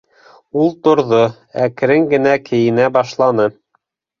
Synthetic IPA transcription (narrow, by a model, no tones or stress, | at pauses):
ulˠt̪ŏɾðo | æk̆ɾɘŋɡɘ̆nækɘ̆jɘ̆næbɑʃlˠɑnɤ